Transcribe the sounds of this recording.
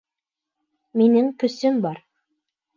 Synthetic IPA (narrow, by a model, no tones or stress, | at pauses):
minɘŋkɵ̆sɵmbɑɾ